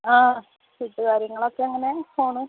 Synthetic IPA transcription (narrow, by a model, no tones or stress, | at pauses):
aː | suʈːɨkaːɾjɐŋːɐɭokːeeŋːɐnepoːɳu